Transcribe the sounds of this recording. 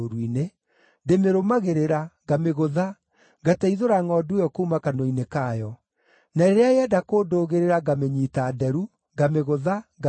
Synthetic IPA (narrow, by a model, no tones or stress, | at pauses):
oɾwine | ndemeɾomaɣeɾeɾaɡameɣoða | ɡataiðoɾaŋɔːdujɔkoumakanɔinekaːjɔ | naeɾeajeɛdakoːdoːɣeɾeɾaɡameɲiːtaːdɛɾu | ɡameɣoðaɡa